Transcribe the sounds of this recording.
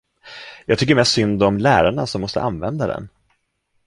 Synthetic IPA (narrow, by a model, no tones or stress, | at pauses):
jɑːɡ̚t̪ʏkːəɾmɛsʈsʏnd̪ɔmlæːɾaɳasɔmːɔst̪ə̰ʔanvɛnd̪ad̪ɛ̰n